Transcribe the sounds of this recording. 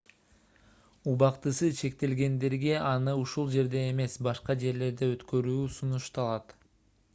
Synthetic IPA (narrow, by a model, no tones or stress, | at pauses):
uβɑqt̪ɯsɯt͡ʃʰe̞k̚t̪e̞lɡe̞nd̪e̞ɾɡe̞ʔɑnɯuʃulˠd͡ʒe̞ɾd̪e̞eme̞sbɑʃqɑd͡ʒe̞ɾle̞ɾd̪eøt̪kø̞ɾyːsunuʃt̪ɑlˠɑt̪